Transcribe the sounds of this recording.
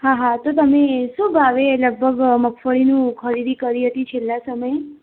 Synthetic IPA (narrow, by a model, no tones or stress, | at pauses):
ɦãɦãt̪ot̪əmesũbʱaʋeləɡ̚bʱəɡməkʰfəɭinũkʰəɾid̪ikəɾiɦət̪it͡ʃʰelːãsəməje